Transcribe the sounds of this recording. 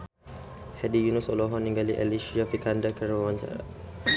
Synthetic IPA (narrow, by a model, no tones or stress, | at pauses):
hɛdijunusɔlɔɦɔnːiŋɡaliʔɛliʃiafikandakəɾawaɲt͡ʃa̰ɾa̰